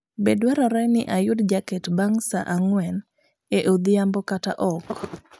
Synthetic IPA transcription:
bedwɛɾaɾɛnɪʔajʊdd͡ʒakɛtbaŋsaʔaŋwɛn | eʔod̪ɪambɔkata̰ʔɔk

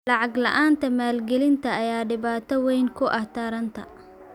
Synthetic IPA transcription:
lɑʕɑɡlɐ̰ʔaːnt̪ʰɐmaːlɡɛlɪnt̪ʰɐːjaːɖɪβaːt̪ʰɔwɛjŋkʰʊʔɐht̪ʰɐɾɐnt̪ʰɐ̰

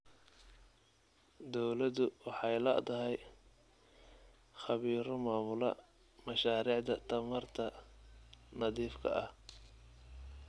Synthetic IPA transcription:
d̪ɔwlɐðʊwɑħɑjlɐ̰t̪ʰɐɦɛj | χɑβiːɾɔmaːmʊlɐ̰ | mɐʃaːɾiːʕd̪ɐt̪ʰɐmɐrt̪ʰɐ | nɐðiːfkʰɐ̰ʔɐh

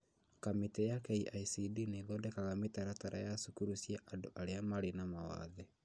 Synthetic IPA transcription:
kametɛjakɛiʔaisidineðɔdɛkaɣametaɾataɾʔajasukuɾusjɛʔandoʔaɾeamaɾenamawa̰ðɛ

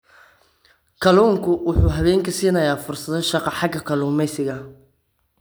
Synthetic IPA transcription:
kʰɐluːŋkʰʊwʊħuːɦɐβɛːŋkʰɐsiːnɐjaːfʊrsɐðɔʃɑqɑħɑɡɐkʰɐluːmɛjsɪɣɐ

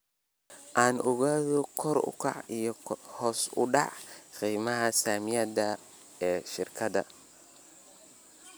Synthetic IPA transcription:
ʔaːnʔʊɣaːðɔkʰɔrʊ̰kʰɑ̰ʕijɔhɔːsʊ̰ɖɑ̰ʕqiːmɐɦɐsaːmɪjɐd̪ɐ | ɛːʃɪrkʰɐðɐ̰

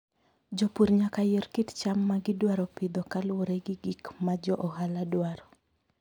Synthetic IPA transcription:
d͡ʒɔpuɾɲakajeɾkitt͡ʃamːaɡɪdwaɾɔpɪd̪ɔkalwoɾeɡɪɡikmad͡ʒɔʔɔhaladwaɾɔ

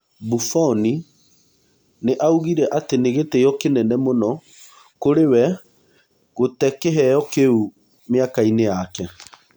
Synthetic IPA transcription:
bufɔni | neʔauɣiɾɛʔateneɣetejɔkenɛnɛmonɔ | koɾewɛ | ɣotɛkɛɦɛjɔkeu | meakainejakɛ

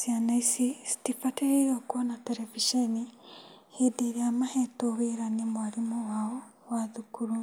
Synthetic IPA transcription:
sianaisisi̥tifateɾiɾoːkuonateɾeviʃenihidiɾeamahetoβiɾanimwaɾimowao | waðukuɾu

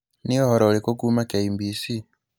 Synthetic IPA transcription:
niɔhɔɾɔlikokumakaimbisi

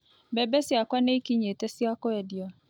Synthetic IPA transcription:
bɛbɛsjakwaneikiɲetɛsjakɔɛdjɔ

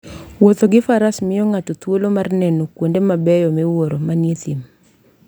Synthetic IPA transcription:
wot̪oɡɪfaɾasmɪjɔŋatɔt̪wolomarnɛnokwondemabɛjɔmɪwoɾomanjet̪im

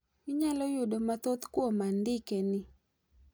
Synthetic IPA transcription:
ɪɲalɔjʊdomat̪ot̪kwomandɪkenɪ

